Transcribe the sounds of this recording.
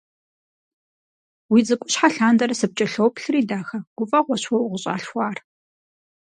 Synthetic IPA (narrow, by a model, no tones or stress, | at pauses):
wiːd͡zɨkʷʼʊɕħaɬaːndɐrɐsɨp̚t͡ʃʼɐɬowpɬɨriːdaːxɐɡ̥ʷʊfʼɐʁʷɔɕwɔwʁəɕʼa̰ːɬxʷɑːr